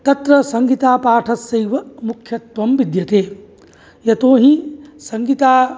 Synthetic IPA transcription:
t̪ɐt̪ɾɐsɐŋɡit̪aːpaːʈʰɐsːɐjʋɐmukʰjɐt̪ʋɐmʋid̪jɐt̪eː | jɐt̪oːɦĩsɐŋɡit̪aː

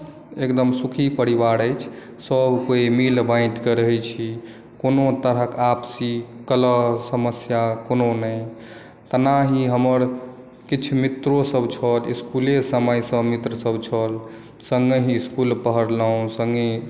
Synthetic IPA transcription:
ekd̪əmsukʰipəɾibaɾəjt͡ʃʰ | səbʱkoimilbãɪ̃ʈkeɾəɦɛt͡ʃʰi | konot̪əɾəkapsikələsəməsjakononəj | t̪ənaɦiɦəməɾ | kit͡ʃʰmit̪ɾosəbʱt͡ʃʰəliskulesəməjsəmit̪ɾəsəbt͡ʃʰəl | səŋɡeɦiːskulpəɦəɾləũsəŋɡe

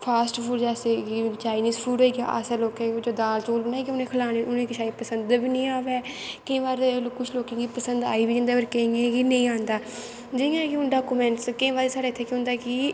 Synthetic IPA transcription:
pʰaːsʈfuːɾd͡ʒɛːseːɡiːt͡ʃaːɪniːsfʰuːɖɦoiːɡa̰ːʔa̰saloːkẽːd͡ʒoːd̪aːlt͡ʃoːlbənaːiːkeʊnẽːkʰəlaːnẽːʔʊnẽːkɪʃʰaːiːpəsənd̪biːnə̃ĩːaːʋɛːkɪĩːʋaːɾkʊt͡ʃʰloːkẽːɡiːpəsənd̪a̰ːiːbiːd͡ʒɪ̃nd̪aːbəɾkẽɡeːɡiːnə̃ĩːãːnd̪aː | d͡ʒɪ̃jãːkiʊnɖaːkumɛ̃ːɳʈskɪĩːʋaːɾeːsaːɽeːɪt̪ʰːeːkjõːnd̪aːkiː

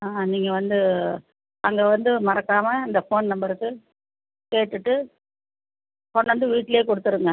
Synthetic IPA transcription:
aːniːŋɡɐʋɐnd̪ɯ | ɐŋɡeʋɐnd̪ɯmɐɾɐkːaːmɐɪnd̪ɐfoːnnɐmbɐɾɯkːɯ | keːʈːɯʈːɯ | fɔːnːʋɐnd̪ɯʋiːʈːɪljeːkɔɽɯt̪ːɯɾɯŋɡɐ

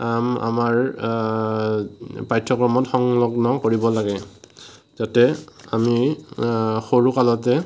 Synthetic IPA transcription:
ama̰maɹ | pajtʰːɔkɹɔmɔtxɔŋlɔɡnɔkoɹibɔlaɡɛ | zatɛami | xoɹukalɔtɛ

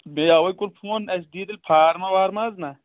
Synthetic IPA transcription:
mejawɐjkuɾpʰoːnɐs̬d̪iːd̪ɐlpʰaːɾmawaːɾmaːzna

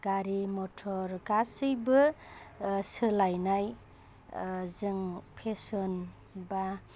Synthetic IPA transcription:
ɡ̥aɾimɔtʰɔɾɡasɯjbɯ | sɯlajnaj | zɯŋpʰesɔn | ba

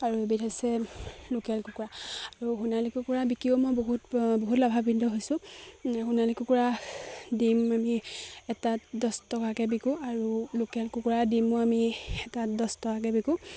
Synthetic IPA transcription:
aɹuebitʰɔsɛlokɛlkukuɹaaɹuɦunalikukuɹabikiomojboɦutboɦutlabʱabindʱɔɦojsʊ̃hunalikukuɹadimamiɛtadɔstɔkakɛbikuaɹulokɛlkukuɹadimuamiɛtadɔstɔkakɛbiku

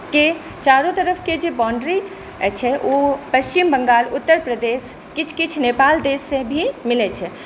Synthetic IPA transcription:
ke | t͡ʃaːɾõt̪əɾəpʰked͡ʒebaːɳɖɾi | ɛt͡ʃʰɛʔoːpəst͡ʃɪmbə̃ŋɡaːlʊt̪ːəɾpɾəd̪eːs | kɪt͡ʃʰkɪt͡ʃʰneːpaːld̪eːsːẽbʱimɪlɛt͡ʃʰɛ

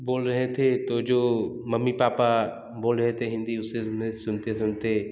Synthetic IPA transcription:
boːlɾɐɦet̪ʰet̪od͡ʒoːmɐmːipaːpa | boːlɾɐɦet̪ʰeɦɪ̃nd̪iʊsemesʊnt̪esʊnt̪e

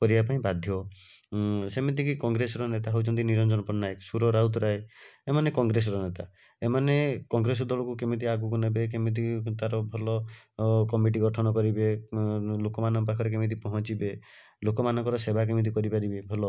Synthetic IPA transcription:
kɔɾibapaĩbad̪ʱjɔ | semit̪̬ikikɔŋɡɾesɔɾɔnet̪aɦowt͡ʃʰɔnt̪iniɾɔnd͡ʒɔnɔpɔnajksuɾɔɾawt̪ɔɾaeemanekɔŋɡɾes̬ɔɾɔnet̪a | emanekɔŋɡɾes̬ɔd̪ɔɭɔkukemit̪̬iaɡukunebek̬emit̪̬ikt̪aɾɔbʱɔlɔ | kɔmiʈ̬iɡɔʈʰɔnɔkɔɾibe | lokɔmanɔŋpakʰɔɾek̬emit̪̬ipɔɦɔ̃t͡ʃibe | lokɔmanɔŋkɔɾɔsebʱak̬emit̪̬ikɔɾipaɾibebʱɔlɔ

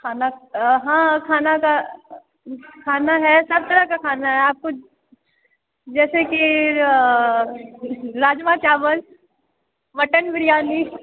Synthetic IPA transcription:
kʰaːnaɦãːkʰaːnaka | kʰaːnaɦɛsɐb̚t̪ɐɾəkakʰaːnaɦɛaːp̚ko | d͡ʒɛːseki | ɾaːd͡ʒmat͡ʃaːʋəl | ʋɐʈənʋɪɾijaːni

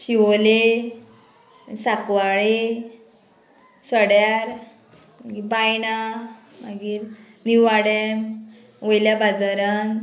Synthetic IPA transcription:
ɕiʋole | sakʋaɭe | səɽjaɾ | maɡiɾbajna | maɡiːɾ | niʋaɽɛm | ʋojljabad͡zəɾan

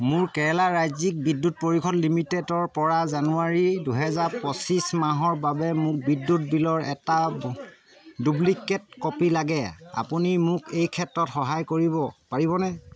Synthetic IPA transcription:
mʊɹkɛɛlaɹajzik̚bidːut̚poɹikʰɔtlimitɛdɔɹpɔɹazanuaɹiduɦɛzaɹpɔsismaɦɔɹbabɛmʊk̚bidːut̚bilɔɹɛta | dublikːɛt̚kɔpilaɡɛa̰punimʊkʰejkʰɛtɹɔtxɔɦajkoɹibɔpaɹiβɔnɛ

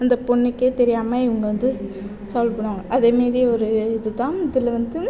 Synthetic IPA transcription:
ɐnd̪ɐpɔɳːɯkːet̪ɛɾɪjaːmɐɪʋɐŋɡɐʋɐnd̪ɯ | saːlpɐɽoːŋɡɐʔɐðeːmaːd̪ɾiɔɾɯɪðɯt̪ãːɪðɪlɐʋɐnd̪ɯ

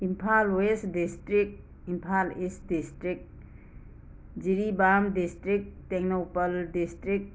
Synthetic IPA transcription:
impʰalwesdistɾik̚ | impʰalisdistɾik̚t̚ | d͡ʒiɾibamdistɾik̚teŋnowpəldistɾik̚

